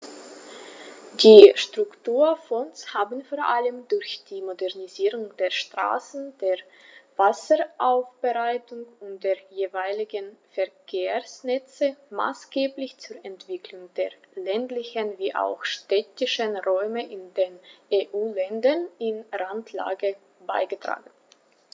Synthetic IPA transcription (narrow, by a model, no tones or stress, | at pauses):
d̥iːʃtʁ̥ʊktuːɐfɔnshaːbən̩foːɐʔaləmdʊɐçd̥iːmodɛʁniziːʁʊŋd̥eːɐʃtʁ̥a̰ːsn̩d̥eːɐ | vasəʔaʊfb̥əʁaɪtʊŋʊnt̚d̥eːɐjeːvaɪlɪɡənfɛɐkʰeːɐsnɛt͡səma̰ːsɡ̥eːblɪçt͡sʊɐʔɛntv̥ɪkʰlʊŋd̥eːɐ | lɛntlɪçənviːʔa̰ʊxʃtɛtɪʃənʁɔʏməʔɪndeːnʔeːʔuːlɛndɐnɪnʁantʰla̰ːɡə | baɪɡətʁ̥a̰ːɡn̩